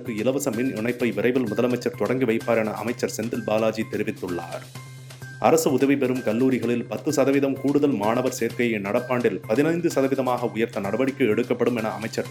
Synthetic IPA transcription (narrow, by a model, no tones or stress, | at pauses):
kːɯɪlɐʋɐsɐmɪnɪɳɐɪpːɐɪʋɪrɐɪʋɪlmʊðɐlɐmɐɪt͡ʃːɐɾt̪ɔɽɐŋɡɯʋɐɪpːaːɾɛnɐʔɐ̰mɐɪt͡ʃːɐɾsɛnd̪ɪlbaːlaːd͡ʒit̪ːɛɾɪʋɪt̪ːɯɭːa̰ːɾ | ʔɐ̰ɾɐsɯʊðɐʋɪpɛɾɯmkɐlːuːɾɪɣɐɭɪlpɐt̪ːɯsɐðɐʋɪðɐmkuːɽɯðɐlmaːnɐʋɐɾseːɾkɐjɐɪnɐɽɐpːaːɳɖɪlpɐðɪnɐɪnd̪ɯsɐðɐʋɪðɐmaːɣɐʊjɐɾt̪ɐnɐɽɐbɐɽɪkːɯɛɽɯkːɐpːɐɽɯmɛnɐɐmɐɪt͡ʃːɐɾ